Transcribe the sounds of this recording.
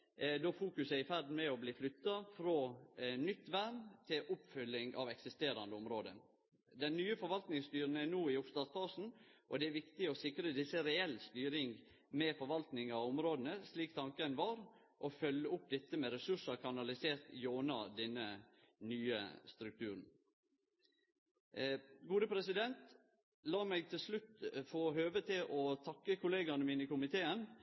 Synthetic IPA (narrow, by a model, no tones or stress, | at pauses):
d̪oːfuːkʉsəɪfæɾd̪n̩mɛɔbliːflʏt̪ːɑfɾonʏt̪ːʋæɾnt̪ʰɪlʔʊpfʏlːɪŋɑ̰ʋɛksɪst̪eːɾɑnd̪əʊmɾoːd̪ə̰n | d̪ɛnːyːəfɔɾʋɑlt̪nɪŋst̪yːɾənænuːɪʊpst̪ɑːsfɑːʂn̩ʔɔd̪ɛæɾʋɪkt̪ɪɔsɪkɾəd̪ɪsːəɾɛɛlːst̪yːɾɪŋ | mɛfɔɾʋɑlt̪nɪŋɑʊmɾoːd̪ənəsliːkt̪ʰɑŋkənʋɑːɾ | ʔɔfœlːəʊp̚d̪ɛt̪ːəmɛɾɛsʉʂɑɾkʰɑnɑlɪseːɾt̪joːnɑ̰d̪ɛnːə | nyːə̰st̪ɾʉk̚t̪ʰʉːɾn̩ | ɡuːd̪əpʰɾɛsɪd̪ɛnt̪ | lɑːmɛɡ̚t̪ʰɪlslʉt̪foːɦøːʋət̪ʰɪlʔɔt̪ʰɑkːəkʰʊleːɡɑnəmiːnɪkʊmɪt̪ʰeːən